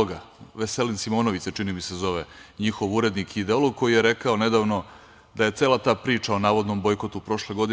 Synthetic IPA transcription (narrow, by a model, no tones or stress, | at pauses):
ɡaʋese̞linsimo̞ːno̞ʋit̪set͡ʃinimisezo̞ʋeɲixo̞ʋuɾe̞d̪nikid̪eolˠoɡ̚ko̞jijeɾekao̞ne̞d̪aːʋno̞ | d̪aje̞t̪se̞ːlˠat̪aːpɾiːt͡ʂao̞naːʋo̞d̪no̞mbo̞jkot̪upɾo̞ʃleɡo̞d̪i